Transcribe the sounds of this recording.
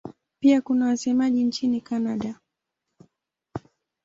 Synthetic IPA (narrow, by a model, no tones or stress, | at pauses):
piakunawasɛmaʄint͡ʃinikanaɗa